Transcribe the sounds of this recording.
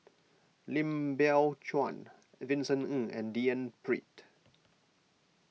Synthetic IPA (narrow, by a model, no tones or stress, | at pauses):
lĩmbɛlt͡ʃɔ̃n | vĩnsə̃nə̃ɛ̰̃ndiə̃npɹḭ̃t